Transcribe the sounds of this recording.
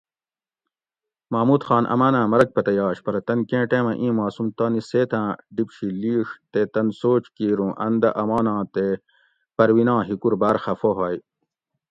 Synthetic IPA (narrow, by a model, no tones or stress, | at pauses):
maːmuːt̪xɑːnʔɐ̰maːnãːmɐɾɐk̚pɐt̪ɐjɑːɕpɐɾɐt̪ɐnkẽːʈẽːmɐʔĩːmaːsumt̪aːniseːt̪ʰãːɖipɕiliːʂt̪et̪ɐnsoːt͡ɕkiːɾũːʔɐnd̪ɐʔɐmaːnãːt̪e | pɐɾwinãːɦikuɾbaːɾxɐfoɦaːj